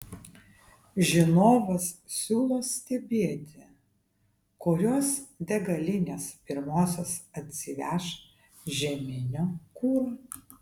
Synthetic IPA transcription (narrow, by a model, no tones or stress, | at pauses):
ʒʲɪnoːʋɐssʲuːlˠoːsʲt̪ʲɛbʲeːt̪ʲɪ | kʊɾʲoːsd̪ʲɛɡɐlʲɪnʲeːspʲɪɾmoːsʲoːsɐt̪ʲsʲɪʋʲæʃ | ʒʲɛmʲɪnʲoːkuːɾoː